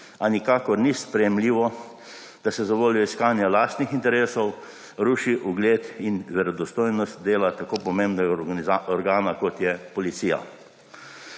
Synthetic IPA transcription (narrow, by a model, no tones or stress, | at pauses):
anikaːkɔɾnispɾɛjɛmliːʋɔ | d̪̥asɛzaʋoːljɔiskaːnjalaːst̪nixint̪ɛɾeːsɔw | ɾuːʃiʔuɡleːt̪inʋɛɾɔd̪ɔst̪oːjnɔst̪d̪eːlat̪akoːpɔmẽmbnɛɡaaɔɾɡaːnakɔt̪jɛpɔlit̪siːja̰